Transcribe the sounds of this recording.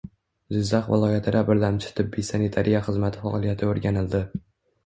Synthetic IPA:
zɪzːɑχvɪ̰lˠɒjat̪ʰɪd̪abɪɾlamt͡ʃʰɪ̥t̪ʰɪbːijsanet̪ʰaɾʔijaχɨzmat̪ʰɪfɒʔɒlˠijat̪ʰɪoɾɡʲanɪld̪ɪ

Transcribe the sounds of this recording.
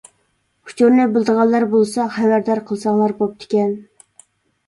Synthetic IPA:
hʰu̥t͡ʃʰuɾnɨbɪlˠd̪əʁɑlˠːɑɾbolˠsɑχæwæɾd̪ɑɾqʰəlˠsɑŋlˠɑɾbop̚t̪ʰɪ̥kʲɛn

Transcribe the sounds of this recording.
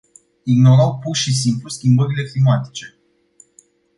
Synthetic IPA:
iɡno̞ɾawpurʃis̬impluskʲimbəɾile̞klimat̪i̥t͡ʃe̞

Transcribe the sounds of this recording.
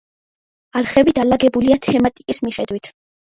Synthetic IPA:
aɾχɛbid̪alaɡɛbuliat̪ʰɛmat̪ʼikʼismiχɛd̪wit̪ʰ

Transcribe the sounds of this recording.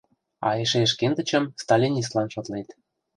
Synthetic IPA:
ɑ̰eʃeʃ̬kend̪ə̆t͡ɕə̆mst̪ɑlʲinʲis̬t̪lˠɑnʃot̪let̪

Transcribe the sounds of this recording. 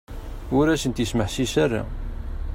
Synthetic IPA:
ʊɾæsənt̪jisməħsisara̰

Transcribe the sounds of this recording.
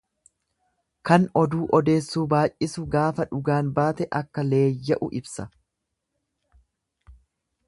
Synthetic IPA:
kɐnɔd̪uːʔɔd̪e̞ːsːuːbaːʔʔɪsʊɡaːfɐᶑʊɡaːnbaːt̪ɛʔɐkːɐle̞ːjːɐʔʊ̰ʔɪbsɐ

